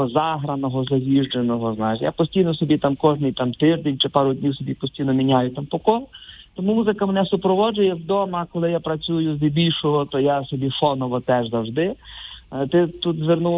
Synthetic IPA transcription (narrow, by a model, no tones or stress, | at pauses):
ɔzɑɦɾɐnɔɦɔzɐʋʲiʒd͡ʒenɔɦɔznajɪʃja̰pɔsʲtʲijnɔsɔbʲit̪amkɔʒnɪjt̪amt̪ɪʒd̪enʲt͡ʃɪpɑɾʊdʲnʲiwsɔbʲipɔsʲtʲijnɔmʲinʲajʊt̪ampɔkɔlt̪ɔmumuzɪkɐmenɛsʊpɾɔʋɔd͡ʒʊjɛwd̪ɔmɐkɔlˠɪjapɾɐt͡sʲujʊzʲʋʲibʲilʲʃɔɦɔt̪ɔjasɔbʲifɔnɔʋɔt̪ɛʒzɐwʒd̪ɪ | t̪ɪt̪ut̪zʋernu